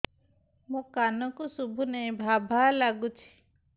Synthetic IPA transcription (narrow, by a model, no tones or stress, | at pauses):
mũkanɔkusubʱunej̃bʱabʱalaɡut͡ʃʰi̥